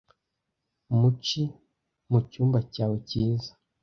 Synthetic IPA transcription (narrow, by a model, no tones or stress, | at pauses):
umut͡ʃi | mucuːmbacaːweciːzḁ